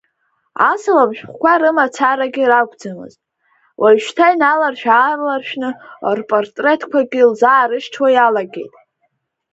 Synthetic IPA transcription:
a̰sɨlabʃᶣχʷkʷʰaɾɨmat͡sʰaɾaɡʲiraɡʷʼd͡zɨmɨ̰ztʼ | wʔaʃᶣtʰainalarʃᶣaːrlarʃᶣnɨo̰rpʼortʼre̞tʰkʷʰaɡʲilzaːɾɨʃʈ͡ʂʰwajalaɡʲe̞̰jtʼ

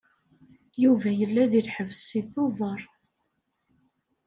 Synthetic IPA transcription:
juvæjəlːæðilħəvsiθʊvəɾˤ

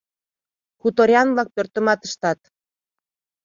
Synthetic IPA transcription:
kut̪oɾʲjɑnβlɑk̚pørt̪ə̆mɑt̪əʃt̪ɑt̪

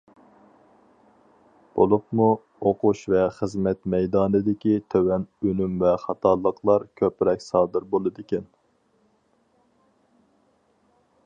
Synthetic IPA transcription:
b̥o̰lˠupmu | oqʰuʃvɛχəzmɛt̪mɛjd̪ɑːnɨd̪ɪkʲit̪ʰøwɛnønymvɛχɑt̪ʰɑlˠːəqʰlˠɑɾkʲʰøpɾɛkʲsɑːd̪ɨɾbolˠɨd̪ɪkʲɛn

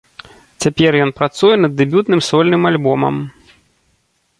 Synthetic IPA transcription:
t͡sʲapʲɛrjɔn̪pɾat̪sujɛnɐd̪ːɛbʲut̪nɨmsɔlʲnɨmalʲbɔmɐ̰m

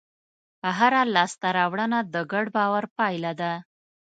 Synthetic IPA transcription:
əɦaɾalɑst̪aɾɑwɽənad̪əɡaɽbɑwaɾpɑjlad̪a

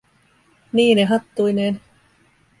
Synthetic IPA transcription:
niːneɦɑt̪ːuineːn

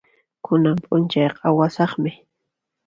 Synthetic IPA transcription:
kʊnampʼʊnt͡ʃɑjqɑwasɑχmɪ

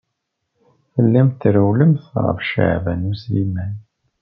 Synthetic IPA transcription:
fəlːæmt̪ːɾæwləmθʁə̰fʃə̰ʕvænuslimæn

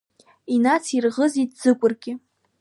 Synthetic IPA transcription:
inat͡sʰirʁəzitʼz̥ɨkʷʼʊrɡʲɪ

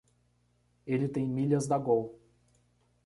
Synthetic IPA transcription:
elɪt̪ẽj̃miʎɐzd̪ɐɡow

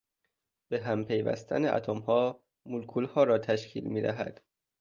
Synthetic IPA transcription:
b̥eɦæmpʰe̞jvæ̰st̪ʰæ̰neʔæ̰t̪ʰomhɒː | mulkʰulhɒːɾɒːt̪ʰæʃcʰḭːlmiːd̪æ̰ɦæ̰d̪̥

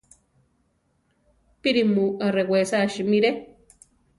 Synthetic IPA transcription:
piɾimuarewesaʃimiɾe

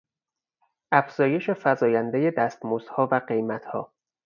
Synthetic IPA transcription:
ʔæfz̥ɒːje̞ʃe̞fæzɒːjænd̪eje̞d̪æst̪moːzhɒːvæɢe̞jmæt̪ʰhɒ̰ː

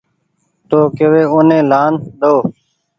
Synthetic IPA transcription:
t̪oːkeʋeːʊnẽːlaːnɗoː

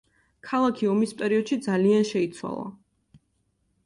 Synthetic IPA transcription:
kʰalˠakʰiɔmispʼɛɾiɔd̪̥ʃid̪zalianʃɛit̪sʰwa̰lˠa̰

